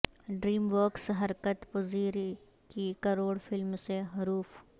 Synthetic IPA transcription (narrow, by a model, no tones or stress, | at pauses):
ɖɾiːmʋɔːksɦɐɾkət̪pʊziːɾ | kikɐɾoːɽfʰɪlmseɦɐɾuːf